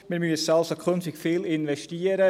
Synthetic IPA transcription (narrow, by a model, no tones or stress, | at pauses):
miːɾmysalsəkʰønfɪkfiːlɪnvɛʃtiːəɾə